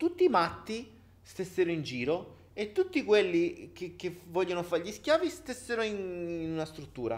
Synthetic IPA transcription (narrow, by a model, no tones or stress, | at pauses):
t̪ut̪ːiːmat̪ːi | st̪esːeɾoind͡ʒiːɾo | et̪ːut̪ːikwelːik̟ek̟evːɔʎːonofaɾʎisk̟jaːvist̪esːeɾoininunast̪ɾut̪ːuːɾa̰